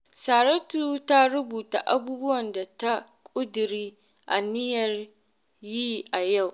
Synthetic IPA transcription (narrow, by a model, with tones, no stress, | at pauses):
saː˨ɾɐ˦tu˦ta˦ɾʊ˦buː˨ta̰˨ʔa̰˦buː˦bʊ˦wɐ˨nda˨ta˦ | kʷʼʊ˦dɪ˨ɾiː˦ | ʔa˨nɪ˦jɐ˨r | ji˦ʔa˨ja˦˨w